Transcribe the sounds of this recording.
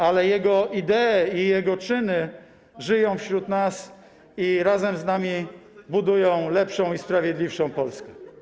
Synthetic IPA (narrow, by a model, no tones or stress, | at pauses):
alɛjɛɡɔid̪ɛːijɛɡɔt͡ʂɘnɘ | ʐɘjɔ̃w̃fɕɾut̪nas | iɾazɛmznamʲibud̪ujɔ̃w̃lɛpʂɔ̃w̃ispɾavʲjɛd̪lʲifʂɔ̃w̃pɔlskɛ